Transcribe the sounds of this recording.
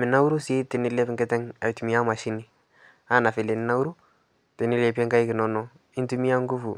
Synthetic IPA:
mɪ˨na˦u˦ɾu˦si˦tɪ˨nɪ˦le˦pɪ˦ŋkɛ˦tɛ˦ŋa˨tu˨mi˦a˦ma˨ʃi˦nɪ˨ | a˦˨na˨fɪ˨le˨nɪ˦na˦wɾu˦ | tɛ˨nɪ˦le˨pɛ˦ŋka˦jkɪ˨nɔ˦nɔ˦ | ɪ˦ntu˦mi˦a˦ŋɡu˦fṵ˨

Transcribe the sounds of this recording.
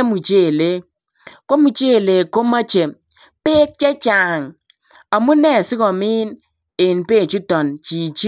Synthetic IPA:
mu˨t͡ʃe˦˨le˦ | ko˦mu˨t͡ʃe˦˨le˨ko˦ma˦t͡ʃe˨ | pe˦k̚t͡ʃɛ˦t͡ʃa˨ŋ | a˨mu˦nɛ˦˨sɪ˦kɔ˨mi˦n | e˨npe˦˨t͡ʃu˦tɔ˨nt͡ʃi˨t͡ʃi˦

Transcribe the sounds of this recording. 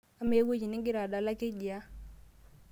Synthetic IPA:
a˦me˦wo˦d͡ʒi˨nɪ˦ŋɡɪ˦ɾa˨da˨la˦kɪ˦d͡ʒɪ˨a˦

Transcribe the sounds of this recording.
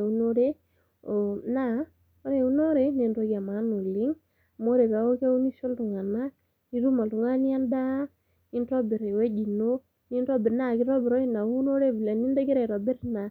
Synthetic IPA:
u˦no˦ɾe˦ | o˨na˦˨ | o˦ɾe˨u˦no˦ɾe˨ne˨ndɔ˦ka˨ma˨˦nu˨li˦ŋ˨ | mo˦ɾe˨βa˨˦o˦ke˦u˦ni˦ʃo˦ntu˨ŋa˨na˦ | i˦ɾu˦ma˨tu˨ŋa˦ni˦a˦nda˦ | i˦ntɔ˦bi˨ɾe˨we˦d͡ʒi˨no˦ | ni˦nɾɔ˦bɪ˨ɾna˦˨ki˦ɾɔ˦bɪ˨ɾɔ˦i˦˨na˨˦no˦ɾe˦˨bi˨lɛ˨ni˦nde˦ɡe˦ɾe˨ɾɔ˨bɪ˦ɾna˨

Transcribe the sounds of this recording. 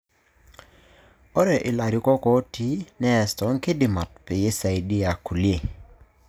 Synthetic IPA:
ɔ˦ɾɛ˨ʔɪ˨la˨ɾjʊ˨kɔ˦kɔ˦tʰi˦nɛ˦ɛ˨stɔ˨˦ŋkɪ˦dɪ˨ma˨t̚pɪ˨jɪ˦sa˨i˨dɪ˦a˨ku˨lje˨

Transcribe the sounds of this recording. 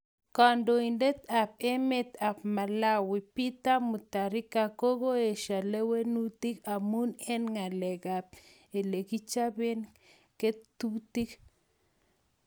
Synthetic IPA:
ka˨ndo˨i˨nde˦t̪a˨p̚e˦me˦t̪a˨pma˨la˦wi˨pi˦t̪a˦mu˨t̪a˨ɾi˦ka˨ko˦ɡo˦e˨ʃa˨le˦we˦nu˦t̪i˦ka˨mu˦nɛ˦nŋa˨lɛ˨ɡa˨p̚ | e˨le˨ki˦t͡ʃa˦be˦n | ke˦t̪u˦t̪i˦k

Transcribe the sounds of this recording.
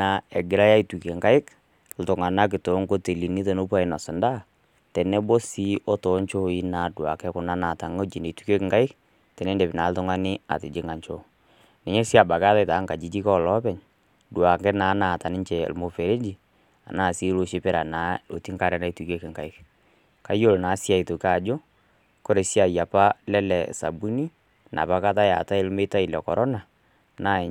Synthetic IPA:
na˨ɛ˨ɡɪ˨ɾa˦ja˦i˨tu˨ke˨ŋka˦ɪ˦k | l̩˨˦tʊ˨ŋa˨na˦k̬ɪ˨to˨˦ŋɡo˦te˨li˨ni˦to˨no˦pa˦ɪ˨na˨sʊ˨nda˦ | tɛ˨nɛ˦bɔ˦si˦ʔɔ˦tɔ˨˦ɲt͡ʃo˦i˦na˨˦dwa̰˨kɛ˦kʊ˨na˦na˨ta˨ŋo˦d͡ʒi˨ne˨tu˦ke˦kɪ˨ŋɡa˦ɪ˦k | tɛ˨nɛ˦ndɛ˨bɪ˨na˨˦ltʊ˦ŋa˦nɪ˦a̰˨tɪ˨d͡ʒɪ˦ŋa˨ɲt͡ʃo˦ | nɛ˨ɲɛ˦si˦a˨ba˨ɡa˦ta˦ta˨˦ŋka˨d͡ʒi˨˦d͡ʒi˦kɔ˦˨lɔ˦pɛ˨ɲ | dwa˨ŋɡɛ˦naː˨˦na˨ta˨nɪ˦ɲt͡ʃɛ̰˨lmo˨fe˨ɾe˦d͡ʒi˨ | a̰˨naː˦˨si˦lo˨ʃe˦pɪ˦ɾa˨naː˨˦o˨ti˦ŋka˦˨ɾɛ˦na˦i˦tu˨ke˦kɪ˨ŋɡa˨ɪ˦k | ka˦jo˦˨lnaː˨˦sja˦˨i˨to˨ka˦˨d͡ʒo˦ | ko˦ɾe˨si˦a˨ja˨pa˦lɛ˦lɛ˨sa̰˨bu˦ni˦ | na̰˨pa˨˦ka˦ta˦ja̰˨ta˦ɪ˦lme˦ta˦ɪ˨lɛ˨kɔ˨ɾʔɔ˦na˨ | na˦˨

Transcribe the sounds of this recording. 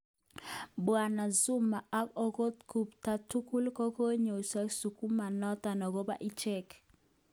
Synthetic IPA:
bwa˨na˨zu˦ma˨ʔa˦kɔ˦ko˦t̪ku˨pta˦tu˦ku˦lko˦ko˦ɲo˨sa˦ksu˨ku˦ma˨nɔ˦ta˨nɔ˨ɡo˦ba̰˦ʔi˦t͡ʃɛ˦k

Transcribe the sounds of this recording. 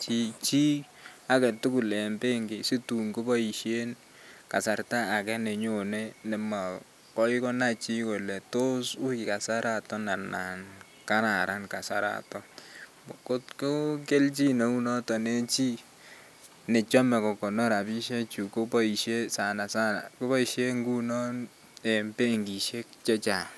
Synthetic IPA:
t͡ʃi˦t͡ʃi˦ | a˨kɛ˨tu˦ku˨lɛ˨mbe˦ŋɡɪ˨si˦tu˨ŋko˦bɔ˦i˨ʃje˦n | ka˨sa˨rta˦a˨kɛ˦nɛ˨ɲo˨nɛ˦nɛ˨ma˨ | kɔ˦i˦kɔ˦na˦t͡ʃi˦ko˨lɛ˨to˦su˦kɪ˨ka˨sa˦ɾa˦˨tɔ˦na˨na̰˨n | ka˦na˨ɾa˦nka˨sa˦ɾa̰˨tɔ˦ | bo˨ko˦tko˦ke˦lt͡ʃi˦no˨u˦nɔ˦tɔ˨ne˦t͡ʃi˦ | nɪ˨t͡ʃɔ˦mɛ˨kɔ˨kɔ˨nɔ˦ɾa˨bi˦ʃe˦t͡ʃu˨ko˦pɔ˦i˨ʃe˦sa˨na˨sa˦na̰˨ko˦ba˦i˨ʃe˦ŋɡu˦nɔ˦n | e˨mpe˦ŋɡi˨ʃe˦kt͡ʃɛ˦t͡ʃa˨

